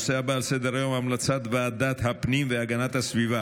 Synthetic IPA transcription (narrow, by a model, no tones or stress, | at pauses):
sɛabaːlsɛd̪əɾajɔmamlat͡sʰat̪vaːd̪at̪ɦapnimvɛaɡanat̪asviva